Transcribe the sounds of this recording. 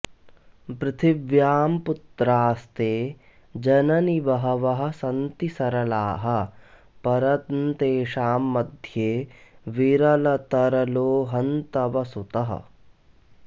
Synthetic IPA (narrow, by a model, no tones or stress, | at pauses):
pɾɪt̪ʰiʋjaːmput̪ɾaːst̪eː | d͡ʒɐnɐniʋɐɦɐʋɐɦɐ̆sɐnt̪isɐɾɐlaːɦɐ̆ | pɐɾɐt̪nt̪eːʃaːmːɐd̪ʱjeːʋiɾɐlɐt̪ɐɾɐloːɦɐnt̪ɐʋɐsut̪ɐɦɐ̰